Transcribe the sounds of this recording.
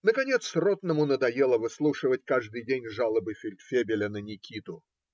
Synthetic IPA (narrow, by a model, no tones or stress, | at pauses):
nəkɐnʲet̪srot̪nəmʊnəd̪ɐjelˠəvɨslˠuʂɨvət̚ʲkaʐd̪ɨjdʲenʲʐalˠəbɨfʲɪlʲt̪fʲebʲɪlʲənənʲɪkʲʰit̪ʊ